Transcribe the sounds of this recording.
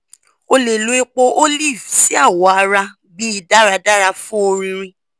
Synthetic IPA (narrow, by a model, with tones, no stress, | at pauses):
o˧le˨lu˨˦e˦k͡po˧ʔo˦li˦˨vsi˦a˦˨wɔ˨a˧ɾa˧ | bi˦i˦˨da˦ɾa˧da˦ɾa˧fũ˦o˧ɾĩ˧ɾ̃ĩ˧